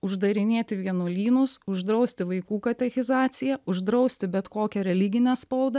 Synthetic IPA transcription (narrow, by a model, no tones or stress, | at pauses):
ʊʒd̪ɐɾʲɪnʲeːt̪ʲɪʋʲiɛnoːlʲiːnʊsʊʒd̪ɾɐʊsʲt̪ʲɪʋɐɪkuːkɐt̪ʲɛxʲɪzɑːt̪sʲɪjɛʊʒd̪ɾɒʊsʲt̪ʲɪbʲɛt̪koːkʲɛɾʲɛlʲɪɡʲɪnʲɛspɐʊd̪ɐ